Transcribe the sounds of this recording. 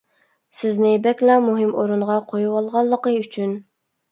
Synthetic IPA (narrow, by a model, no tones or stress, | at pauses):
sɪznɪbɛkʲlˠɑmuɦɪmoɾuɴʁɑqʰojuwɑlˠʁɑlˠːəqəyt͡ʃʰyn